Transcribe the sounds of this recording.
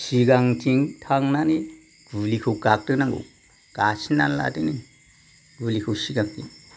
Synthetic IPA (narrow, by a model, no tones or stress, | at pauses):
siɡaŋt͡ʃiŋtʰaŋnani | ɡ̥ulikʰɯwkak̚tɯnaŋɡo̰ | kasina̰nla̰tini | ɡ̥ulikʰɯwsiɡak̚tiŋ